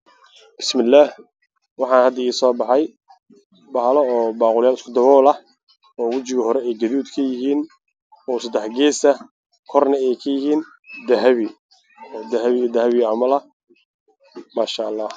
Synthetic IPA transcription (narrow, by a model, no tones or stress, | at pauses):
b̥ɪsmɪlːaːh | wɑħɑːnhɐd̪ɐiːsɔːbɑħɑj | bɐɦlɔɔːbaːqʊljaːlɪskʰʊd̪ɐβɔːlɐh | ɔːwʊt͡ʃɪɣɐɦɔɾɛɛjɡɐðuːd̪kʰɐjɪɦiːn | ɔːsɐd̪ɛħɡɛːsɐ | kʰɔrnɐɛjkʰɐjɪhiːn | d̪ɐɦɐβɪ | d̪ɐɦɐβɪd̪ɐhɐβɪɐmɐlɐ | maːʃaːʔːlːɑːh